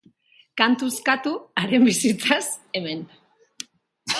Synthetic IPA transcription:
kant̪uskat̪uaɾe̞mbisit͡sase̞me̞n

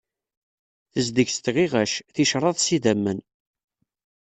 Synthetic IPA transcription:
θəzd̪əʝst̪ʁiʁæʃθiʃɾˤɑðˤsiðæmːən

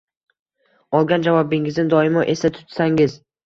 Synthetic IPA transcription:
ɒlˠɡʲand͡ʒavɒbɪŋɪznɪd̪ɒɪmɒʔe̞sat̪ʰʊ̥t̪saŋɪz

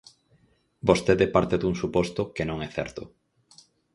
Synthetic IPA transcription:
bost̪eðepaɾt̪eðuŋsupost̪okenõŋɛθɛ̰ɾt̪o

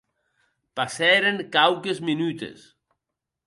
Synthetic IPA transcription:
pasɛɾeŋkawkezminyt̪ḛs

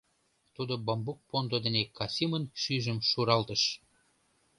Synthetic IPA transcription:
t̪ud̪obɑmbuk̚pond̪od̪enekɑsʲimənʃyʒəmʃuɾɑlt̪əʃ

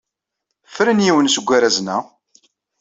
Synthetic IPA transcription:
fɾənjiwənsəɡʷːaɾæznæ

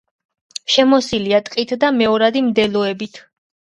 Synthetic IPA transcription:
ʃɛmɔsiliat̪ʼqʼit̪ʰd̪amɛɔɾad̪imd̪ɛlɔɛbit̪ʰ

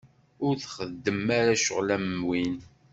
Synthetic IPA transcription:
ʊɾθχəd̪ːəmaɾaʃʊ̰ʁlæmːwin

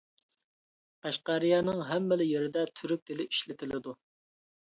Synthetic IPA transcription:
æʃqɑɾɪjɑːnɨŋɦɛmːɛlɪjeɾɪd̪ɛt̪ʰyɾyk̚ʲd̪ɪlɪʔiʃlɪt̪ʰɪlɪd̪u

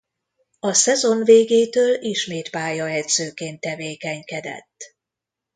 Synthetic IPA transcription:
ɒsɛzo̞nveːɡeːt̪øːliʃmeːt̪paːjɒɛd̪z̥øːkeːnt̪ːɛveːkɛɲkɛd̪ɛ̰t̪ː

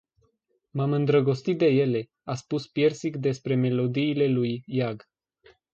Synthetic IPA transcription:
mamɨnd̪ɾəɡo̞st̪it̪̚d̪e̞je̞le̞ | aspuspje̞rsikd̪e̞spɾe̞me̞lo̞d̪iːle̞lujːaɡ

